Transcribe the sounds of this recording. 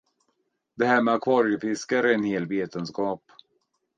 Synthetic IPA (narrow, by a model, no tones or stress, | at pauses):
d̪̥ɛhæːɾmɛakʰvɑːɾjəfɪskaɾəɛnheːlveːt̪ənskɑːp